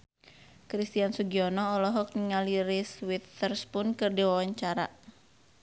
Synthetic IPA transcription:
kɾist̪iansuɡiɔnɔːlɔɦɔk̚niŋaliɾiswit̪ərspʊnkɨrdiwawaɲt͡ʃaɾa̰

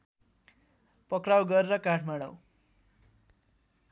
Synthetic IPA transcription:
pʌkrawɡʌɾeɾʌkãʈʰmaɽ̃ʌ̰w

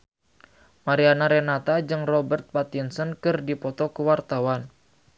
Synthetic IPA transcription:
maɾianaɾɛnat̪ad͡ʒɨŋrɔbərt̪̚pat̪insɔnkɨrdipɔt̪ɔkuwart̪awan

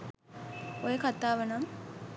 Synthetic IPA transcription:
ojəkat̪aːʋənam

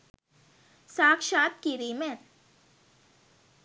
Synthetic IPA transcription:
saːkʃaːt̪̚kiɾimẽn

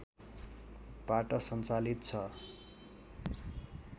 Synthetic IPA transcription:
paʈʌsʌnt͡salit̪t͡sʰʌ

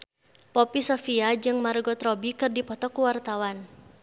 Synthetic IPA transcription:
pɔpisɔfiad͡ʒɨŋmarɡɔt̪ɾɔbikɨrdipɔt̪ɔkuwart̪awan

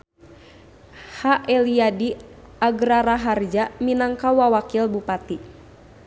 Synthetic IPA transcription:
haʔɛliadi | aɡɾaɾaɦard͡ʒaminaŋkawawakilbupat̪i

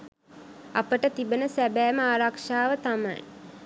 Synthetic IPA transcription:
apəʈət̪ibənəsæbæːməaːɾakʂaːʋət̪ama̰j

